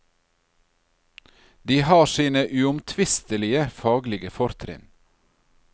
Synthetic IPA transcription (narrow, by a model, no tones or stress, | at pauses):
d̪iːhɑːʃiːnəʔʉʊmt̪ʰʋɪst̪əlɪəfɑːɡlɪɡəfɔɾt̪ʰɾɪ̰n